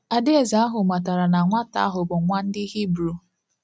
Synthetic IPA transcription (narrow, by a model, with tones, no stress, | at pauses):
a˨de˦e˦˨za˦a˦ɦʊ˨ma˨ta˨ɾa˨na˨ŋʷa˦ta̰˦a˦ɦʊ˨bʊ˨˦ŋʷa˦n̩˦dɪ˦ɦi˦bɾu˨